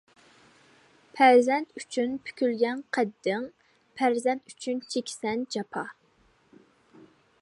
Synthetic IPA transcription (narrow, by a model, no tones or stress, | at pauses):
pʰæɾzɛnt̪ʰyt͡ʃʰynpʰy̥kʲylɡʲɛnqʰɛd̪ːɪŋ | pʰæɾzɛnt̪yt͡ʃʰynt͡ʃʰekʲsɛnd͡ʒɑpʰɑ